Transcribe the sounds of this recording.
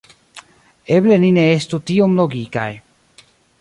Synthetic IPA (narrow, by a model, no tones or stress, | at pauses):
eblenineest̪ut̪iomloɡika̰j